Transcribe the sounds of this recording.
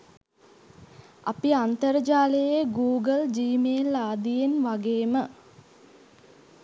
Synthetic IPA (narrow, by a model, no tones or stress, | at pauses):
a̰piant̪əɾəd͡ʒaːləjeɡuːɡəld͡ʒiːmelaːd̪ijenʋaɡeːmə